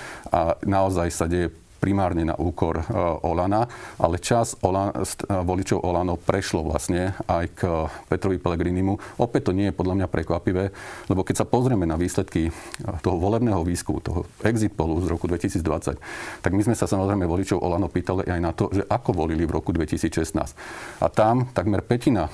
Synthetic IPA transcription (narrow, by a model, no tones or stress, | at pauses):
anaɔzajsaɟɛjɛ | pɾimaːɾɲɛna̰ʔuːkɔɾʔɔlanaʔa̰lɛt͡ʃazɔasʋɔlit͡ʃɔʊʔɔlanɔʊpɾɛʃlɔʋla̰sɲɛajkpɛt̪ɾɔʋipɛlɛɡɾinimuʔɔpɛt̚t̪ːɔɲɪɛjɛpɔd̪ʎamɲapɾɛkʋapiʋɛːlɛbɔkɛcsapɔzɾɪɛmɛnaʋiːslɛt̪kit̪ɔɦɔʋɔlɛbnɛːɦɔʋiːskumṵt̪ɔ̰ɦɔ̰ɛɡzit̪pɔluzɾɔkud̪ʋɛcisiːd͡zd̪ʋat͡sa̰ct̪aɡmizmɛsasamɔzɾɛɪmɛʋɔlit͡ʃɔʊʔɔ̰lanɔʊpiːt̪alḭʔajnat̪ɔʒɛʔakɔʋɔliliʋɾɔ̰kud̪ʋɛcisiːt͡sʃɛst̪na̰ːscʔa̰t̪amt̪aɡmɛɾpɛcina